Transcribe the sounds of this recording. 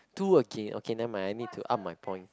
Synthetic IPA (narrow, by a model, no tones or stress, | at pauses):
tuəɡẽnʔo̰kʰenãmãajnid̚tʰuʔa̰p̚majpʰɔ̃j̃n